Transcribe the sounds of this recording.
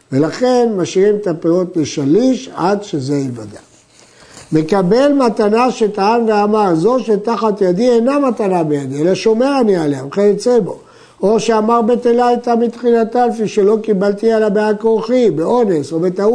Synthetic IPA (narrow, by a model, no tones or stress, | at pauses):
ve̞laχe̞nmaʃiʁimet̪apeʁot̪leʃaliʃadʃezeivada̰ | me̞kabe̞lmatanaʃet̪aanveamaʁzo̞ʃet̪aχat̪jad̪ienamat̪anabejadielaʃo̞me̞ʁanialeamχeit͡sebo̞̰ | oʃeamaʁbe̞t̪elaajt̪amit̪χinat̪alfiʃe̞lo̞kibalt̪ialabeakoχibeʔo̞ne̞so̞be̞t̪au